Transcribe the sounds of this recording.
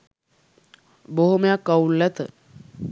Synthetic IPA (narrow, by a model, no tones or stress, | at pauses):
boɦumejakːaulːɛt̪ə